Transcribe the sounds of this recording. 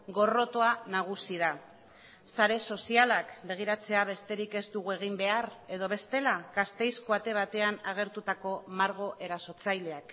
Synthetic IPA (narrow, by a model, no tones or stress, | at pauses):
ɡo̞ro̞t̪o̞anaɣ̞usið̞a | saɾe̞so̞sialakbe̞ɣ̞iɾat͡se̞aβ̞e̞st̪e̞ɾike̞zt̪uɣue̞ɣ̞imbe̞are̞ðo̞β̞e̞st̪e̞laɡast̪e̞jsko̞at̪e̞β̞at̪e̞anaɣ̞e̞ɾt̪ut̪ako̞maɾɣ̞o̞ʔe̞ɾaso̞t͡sajle̞ak